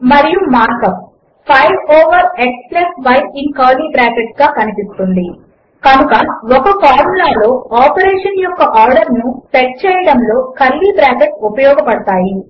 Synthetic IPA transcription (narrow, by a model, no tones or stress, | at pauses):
mɐɾijumaːɾkɐp̚ | pʰɐjʋɔːʋɐɾeksplɐsʋɐjtiŋkɐːliːbɾaːkeʈɡaːkɐnipist̪und̪i | kɐnukɐɔkɐkaːɾmlaːlo̞ːaːpɐɾeːʂɐnjɔkːɐʔaːɾɖɐɾnupeʈ̚t͡ʃɛːjɐɽɐmlo̞ːkɐlːiːbɾaːkeʈupɐjɔːɡɐpɐɽɐt̪aːji